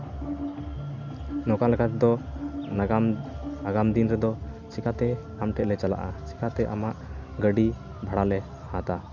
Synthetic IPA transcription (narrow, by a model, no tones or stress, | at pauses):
nɔkalakat̪ɛd̪ɔaɡanaɡamd̪inɾɛd̪ɔt͡ʃikat̪ɛ | amʈɛʔ̚lɛt͡ʃala̰ʔat͡ʃi̥kat̪ɛʔamaʔɡəɖi | bʱaɽalɛ | hãt̪a